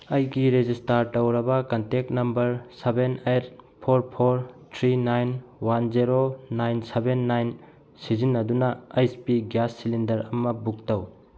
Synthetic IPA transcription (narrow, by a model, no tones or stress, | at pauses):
ɐjɡiɾezistaɾtɐwɾɐbɐkɐntek̚tnɐmbɐɾsebenet̚ | pʰoɾpʰoɾtʰɾinajnwanziɾonajnsebenːajn | sizinːɐdunɐajspiɡjasːilindɐɾɐmɐbuk̚tɐw